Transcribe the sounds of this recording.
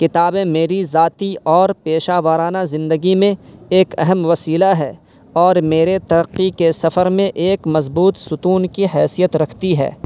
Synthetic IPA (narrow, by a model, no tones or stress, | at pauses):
kɪt̪aːbẽmeːɾizaːt̪iɔːɾpeːʃaːʋəːɾaːnazɪ̃nd̪əɡimẽeːkɛɦɛmʋɐsiːlaɦɛː | ɔːɾmeːɾet̪ɐɾəqːikesɐfəɾmẽʔeːkmɐzbuːt̪sʊt̪uːnkiɦɛːsijət̪ɾɐkʰt̪iɦɛ̰ː